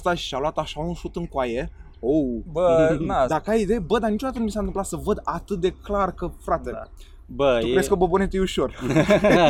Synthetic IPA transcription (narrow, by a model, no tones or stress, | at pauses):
st̪aʃi̥ʃalwat̪aʃaunsut̪ɨŋkwaje | owbəd̪akəajid̪ejebəd̪anit͡ʃoat̪ənumisanɨmplat̪səvəd̪at̪ɨt̪̚d̪e̞klarkəfɾat̪e | bəukɾeskəbəbonet̪ujuʃo̞r